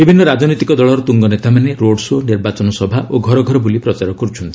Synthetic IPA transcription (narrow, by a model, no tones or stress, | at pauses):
bibʱinːɔɾad͡ʒnɔt̪ikɔd̪ɔɭɔɾɔt̪uŋɡɔnet̪amaneɾoɽsoniɾbat͡ʃɔnɔsɔbʱaʔʔoɡʱɔɾɔɡʱɔɾɔbulipɾɔt͡ʃaɾɔkɔɾut͡ʃʰɔnt̪ii̥